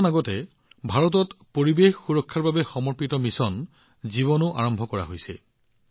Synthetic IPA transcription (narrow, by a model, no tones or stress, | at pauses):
naɡɔtɛ | bʱaɹɔt̬ɔtpoɹibexxuɹɔkʰːaɹbabɛxɔmɔɹpitɔmisɔn | ziβɔnʊʔa̰ɹɔmbʱɔkɔɹa̰ɦojsɛ̰